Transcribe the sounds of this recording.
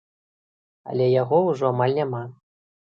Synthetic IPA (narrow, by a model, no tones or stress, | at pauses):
ɐ̰lʲɛjaɣɔwʐɔamalʲnʲama